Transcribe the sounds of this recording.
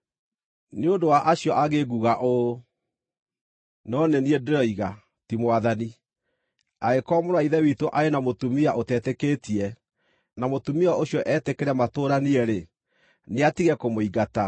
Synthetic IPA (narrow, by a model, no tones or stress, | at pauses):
neodowaʔaɕjɔʔaɣeɡuɣaʔo | nɔneniedɾɔiɣa | timoaðani | aɣekɔːmoɾwaiðɛwitoʔaenamotumiaʔotɛtɛkeːtiɛ | namotumiɔoɕjɔʔɛːtekeɾɛmatoːɾaniɛɾe | neatiɣɛkomoiɡata